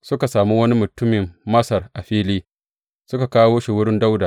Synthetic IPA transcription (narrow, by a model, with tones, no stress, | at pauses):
sʊ˦ka˨saː˨mu˦wɐ˦ni˦mʊ˨tʊ˦mɪ˨mːɐ˦sɐ˨rʔa˨ɸiː˦liː˦ | sʊ˦ka˨kaː˦woː˦ʃi˨wʊ˦ɽɪ˦nda˦wdaː˨ʔ